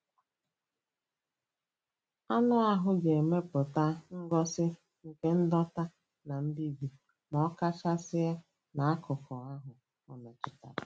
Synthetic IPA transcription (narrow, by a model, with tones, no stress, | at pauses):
a˦nʊ˦a˦ɦʊ˦ɡe˨me˦pʊ˨ta˦ŋ̩˦ɡɔ˦sɪ˦ | ŋ̩˨ke˦n̩˦dɔ˦ta˦ | na˨n̩˦di˦˨bi˨ | mɔ˨˦ka˦t͡ʃa˦sɪ˦ja˦ | na˨a˦kʊ˨kʊ˨a˦ɦʊ˨ | ɔ˨na˨t͡ʃɪ˨ta̰˨